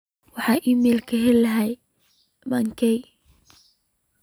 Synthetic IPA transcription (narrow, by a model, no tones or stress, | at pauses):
wɑħɑːʔimɛːlkʰɐɦɛlɐɦɛj | mɐŋkʰɛj